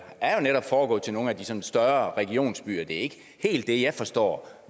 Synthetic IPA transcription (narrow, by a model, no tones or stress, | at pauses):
æɐjo̝neɾɒ̽b̥fɒːɡ̥ɔ̰̽ːt͡sʰe̝no̝ːn̩æd̥isɒ̽nsd̥ɶɐʁɛɡ̥io̝̰ːnsb̥y̰ːɐd̥e̝ɐe̝ɡ̥ə | he̝̰ːld̥ːe̝jɑ̈ɪfɒ̽sd̥ɒ̰ː